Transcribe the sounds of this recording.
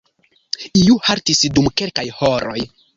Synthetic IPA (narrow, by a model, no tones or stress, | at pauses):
iuhaɾtisdumke̞lkajhoɾo̞̰j